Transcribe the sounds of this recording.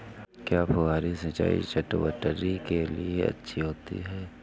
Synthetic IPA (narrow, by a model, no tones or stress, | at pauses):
kjaːpʰoaːɾisɐ̃t͡ʃa̰ːḭt͡ʃɐʈʋə̰ʈəɾikelieɐ̰tːʃʰiɦoːt̪ḭɦɛː